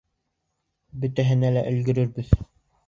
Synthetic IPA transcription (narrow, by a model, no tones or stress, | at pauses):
bɵ̆t̪æɦɘ̆nælæʔɵ̆lɡɵ̆ɾɵɾbɘð